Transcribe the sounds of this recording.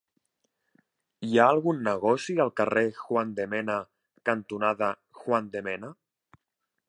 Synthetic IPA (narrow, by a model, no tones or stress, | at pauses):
iaːlˠɣunːəɣɔsialˠkareʝwand̪emena | kant̪unaða | ʝwand̪emɛna